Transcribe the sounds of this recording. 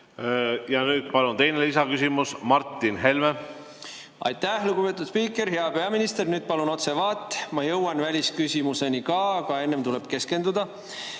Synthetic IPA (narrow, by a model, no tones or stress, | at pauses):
jɑnyːd̪̥̚pɑlunt̪e̞jnelisɑkysimusmɑrt̪ːˑinɦe̞lme | ɑ̰jt̪ːæhluɡ̥upe̞t̪ːˑud̪̥spiːkːˑe̞ɾɦeɑpe̞ɑminist̪e̞rnyːd̪̥̚pɑluno̞t̪se̞vɑːt̪ːˑmɑjɤwɑnvælʲiskysʲimuse̞nikɑkɑe̞nːe̞mt̪ule̞b̥ke̞ske̞nd̪ud̪̥ɑ